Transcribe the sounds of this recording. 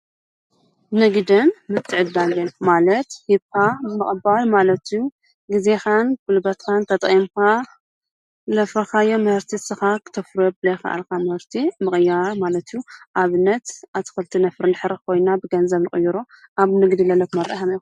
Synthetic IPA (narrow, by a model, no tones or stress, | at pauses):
nɨɡd̪ɨnmɨt̪ʰːɨʕɨd̪ːalɨmalɐt̪hibkʰamɨχʼbalmalɐt̪ju | ɡize̞xankɨlbɐt̪kʰant̪ʰɐt̪ʼimka | lɐfɐxajomɨhɨɾt̪ʰisɨxakʰɨ̥t̪ʰɐfɾobɨlɐxɐ̰ʔa̰lkʰamɨhɨɾt̪ʰimɨkʼɨjaɾmalɐt̪juʔaβɨnːɐt̪at̪ʰɨ̥xɨlt̪ʰinɐfɾnɨħɨɾɨxkʰo̞jnabɨɡɐnzɐβnɨχʼɨjːuɾo | ʔaβnɨɡd̪ilɐlɐkmɐɾɐ̰ʔħami